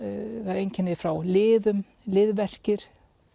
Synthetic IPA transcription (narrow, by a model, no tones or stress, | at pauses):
θaɾejɲcɛnːɪfɾawlɪːðʏm | lɪːðvɛr̥cɪɾ̥